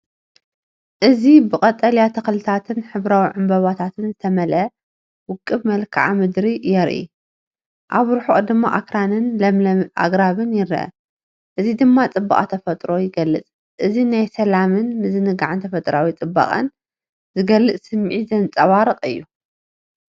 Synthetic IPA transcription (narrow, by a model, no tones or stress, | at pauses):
ʔɨzibɨkʼɐt̪ʼɐljat̪ʰɐxlɨt̪ʰat̪ʰɨnħɨβɾawiʕɨmbɐβat̪ʰat̪ʰɨnzɨt̪ʰɐmɐlʔɐ | wʊkʼːɨβmɐlkʰaʕamɨd̪ɾijɛɾʔḭ | ʔaβɾħoʔʼd̪ɨmːa̰ʔa̰kɾanɨnlɐmɐʔa̰ɡɾaβɨnjɪɾɐ̰ʔɐ̰ | ʔɨzid̪ɨmːat͡sʼɨbːa̰ʔʼat̪ʰɐfɐt̪ʼɾo̞jɪɡɐlːɨt͡sʼ | ʔɨzinajsɐlamɨnmɨzɨnɨɡaʕant̪ʰɐfɐt̪ʼɾawit͡sʼɨbːa̰χʼɐ̰n | zɨɡɐlːɨt͡sʼsɨmːʕizɐnt͡sʼɐwaɾɨqʼɨjːu